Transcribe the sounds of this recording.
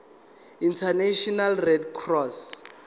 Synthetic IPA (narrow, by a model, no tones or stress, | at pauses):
intʰaneʃɔnalrɛdkʰrɔs